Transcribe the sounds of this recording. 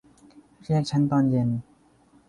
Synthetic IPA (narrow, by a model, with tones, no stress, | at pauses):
ɾi˥˩ək̚t͡ɕʰa˦˥nt̪ɔː˧nje˧n